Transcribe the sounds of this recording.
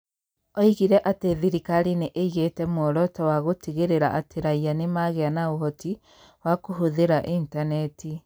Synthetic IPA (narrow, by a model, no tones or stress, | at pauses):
ɔiɣiɾɛʔateðiɾikaɾineʔeiɣetɛmɔɾɔtɔwaɣotiɣeɾeɾa̰ʔateɾaianemaːɣeanaoɦɔti | wakoɦoðeɾaʔintanɛti